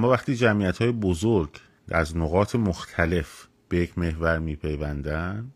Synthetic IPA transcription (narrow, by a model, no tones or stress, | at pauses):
ʔæmːɒːvæχt̪iːd͡ʒæmiːæt̪hɒːjebozoɾɟ | æ̰znoɣɒːt̪ʰemoxt̪ʰæle̞f | b̥ejecʰme̞hvæɾmiːpʰe̞jvænd̪æn